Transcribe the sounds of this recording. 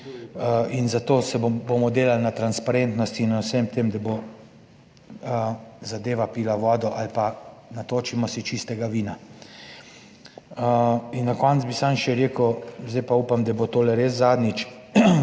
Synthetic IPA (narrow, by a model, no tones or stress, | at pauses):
inzat̪oːsɛbomɔd̪eːlalnat̪ɾanspaɾent̪nɔst̪inawsɛmt̪emd̪abo | əzad̪eːʋapiːlaʋɔːd̪ɔʔalpanat̪oːt͡ʃimɔsit͡ʃist̪ɛɡaʋiːna | əinːakɔntzbisamʃɛɾeːkəwzd̪ɛjpauːpamd̪abot̪oːlɛɾeːszaːd̪nit͡ʃ